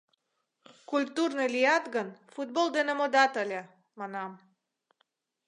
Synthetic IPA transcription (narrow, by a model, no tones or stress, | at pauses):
kulʲt̪urnelʲijɑt̪ɣənfut̪̚bold̪enemod̪ɑt̪əlʲe | monɑm